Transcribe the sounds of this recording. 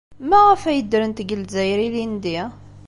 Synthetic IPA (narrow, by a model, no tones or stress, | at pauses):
mæʁəfæjəd̪ɾənt̪ɡəlzæjɾilind̪i